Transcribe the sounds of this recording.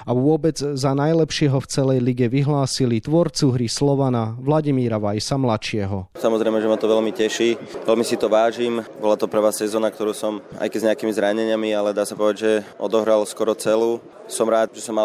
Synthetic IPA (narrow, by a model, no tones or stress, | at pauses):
aʋʊɔbɛd͡zzanajlɛpʃɪɛɦɔft͡sɛlɛjliɡɛʋiɦlaːsilit̪ʋɔɾt͡suɦɾislɔʋanaʋlaɟimiːɾaʋajsamlaʃɪɛɦɔsamɔzɾɛɪjmɛʒɛmat̪ɔʋɛʎmicɛʃiʋɛlmisit̪ɔʋaːʒiːmbɔlat̪ɔpɾɛʋaːsːɛzɔːnak̚t̪ɔɾuːsɔma̰jkɛzɲɛakimizɾaɲɛɲɪamialɛd̪aːsapɔʋɛaɟʒɛɔ̰d̪ɔɦɾalskɔɾɔt͡sɛluː | sɔmɾaːd̪ʒɛsɔmːa